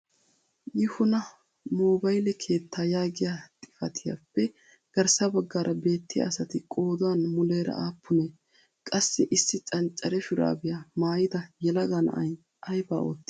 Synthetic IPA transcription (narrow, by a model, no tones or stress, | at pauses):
jɪhʊnɐ | moːbɐjlɛkʰe̞ːt̪ːaːjaːɡɪjat̪ʼɪ̥fɐt̪ʰɪja̰ːpːɛ | ɡ̥ɐɾsɐbɐɡːaːɾʔɐbe̞ːt̪ːɪjɐ̰ːsɐt̪ɪkʼo̞ːd̪ʊwanmʊle̞ːɾɐ̰ʔaːpːʊneː | kʼɐsːɪʔɪsːɪt͡ʃʼɐnt͡ʃʼːɐɾɛfʊɾa̰ːbɪjamaːjɪd̪ɐjɛlɐɡanɐ̰ʔɐj | ʔɐjba̰ːo̞̰ːt̪ːɪ